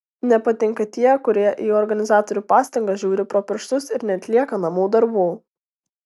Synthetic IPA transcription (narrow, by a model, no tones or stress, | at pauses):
nʲɛpɐt̪ʲɪŋkɐt̪ʲiɛkʊɾʲiɛʔiɔɾɡɐnʲɪzɑːt̪ɔɾʲupɑːsʲt̪ʲɐŋɡɐʒʲuːɾʲɪpɾoːpʲɪɾʃt̪ʊsɪɾnʲɛɐt̪ʲlʲiɛkɐnɐmuːd̪ɐɾbuː